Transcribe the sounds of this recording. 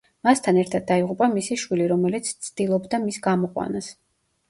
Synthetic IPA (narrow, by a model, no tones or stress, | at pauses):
mast̪ʰanɛɾt̪ʰad̪̚ːaiʁupʼamisiʃwiliɾɔmɛlit̪sʰt̪sʰd̪̥ilˠɔbd̪amisɡamɔqʼwa̰nas